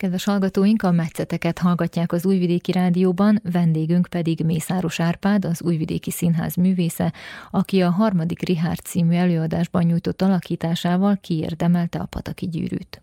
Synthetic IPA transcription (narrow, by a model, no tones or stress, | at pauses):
kɛd̪ʋɛʃhɒlɡɒt̪oːjiŋkɒmɛt̪sɛt̪ɛkɛt̪hɒlɡɒcːaːkɒzuːjvid̪eːkiɾaːd̪ijoːbɒnvɛnd̪eːɡyŋkpɛd̪iɡmeːsaːɾo̞ʃaːrpaːd̪ɒzuːjvid̪ḛːkisinɦa̰ːzmyːveːsɛɒkiɒɦɒrmɒd̪ikriɦa̰ːrt̪siːmyːɛløːɒd̪aːʒbɒɲːuːjt̪o̞t̪ːɒlɒkiːt̪aːʃaːvɒlkʰiḛːrd̪ɛmɛlt̪ɛɒ̰pɒ̰t̪ɒkiɟy̰ːɾy̰ːt̪